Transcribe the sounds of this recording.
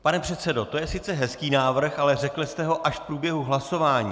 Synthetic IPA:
panɛpr̝̥ɛt̪sɛdo̞t̪o̞jɛsɪtt͡sɛɦɛskiːnaːvr̩xalɛrɛklɪst̪ɛɦo̞ʔaʃfpɾuːbjɛɦuɦlaso̞vaːɲḭː

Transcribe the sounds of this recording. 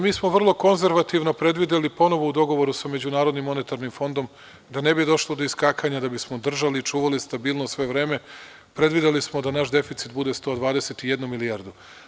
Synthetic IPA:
miːsmo̞ʋr̩lˠo̞ko̞nze̞ɾʋat̪iʋno̞pɾe̞d̪ʋid̪elipo̞no̞ʋo̞ud̪o̞ɡo̞ʋo̞ɾusame̞d͡ʑunaːɾod̪nimːo̞ne̞t̪aɾnimfo̞nd̪o̞m | d̪ane̞bid̪o̞ʃlˠod̪o̞iskaːkaɲad̪abismo̞d̪r̩ʒalit͡ʃuːʋalist̪abiːlnosʋe̞ʋɾe̞ːme | pɾe̞d̪ʋid̪elismo̞d̪anaʃd̪e̞fit̪sit̪̚bud̪e̞st̪o̞ːd̪ʋaːd̪eset̪ije̞d̪numilijaɾd̪u

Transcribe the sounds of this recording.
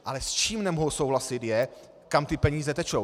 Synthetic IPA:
ʔalɛst͡ʃiːmnɛmoɦosowlasɪt̪jɛ | kamt̪ɪpɛɲiːzɛt̪ɛt͡ʃow

